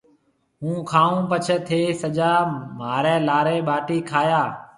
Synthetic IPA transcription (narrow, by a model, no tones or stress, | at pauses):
ɦũːkʰaːũːpət͡ʃʰət̪ʰeːsəd͡ʒaːmaːɾɛ̃ːlaːɾeːɓaːʈiːkʰaːjaː